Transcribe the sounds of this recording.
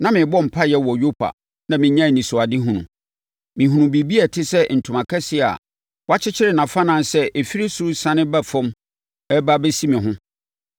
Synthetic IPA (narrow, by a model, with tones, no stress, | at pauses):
nã˦mɪ̃˨bɔ˦m̩˨pʰa˦jɛ˨˦wɔ˨jo˦pʰa̰˨ | nã˨mɪ̃˨ɲã˦˨nĩ˨sʊ˨a˨dɪ˦ɦũ˨nṵ̃˨ | mɪ̃˨ɦũ˨nũ˨bi˨bi˦ɛ˨tʰɪ˦sɛ˦n̩˨tʰʊ˨mã˨kʰɛ˦sɪ˦a̰˨ | wɔ˦a˦t͡ɕʰɪ˦t͡ɕʰɪ˦ɾɪ˦˨nã˨fã˦nã˦nsɛ˦ʔe˨fi˦ɾi˦sʊ˦sã˦nɪ̃˦ba˦fɔ̃˦m | ɛ˦ba˦bɛ˦si˦mɪ̃˨ɦʊ̃˦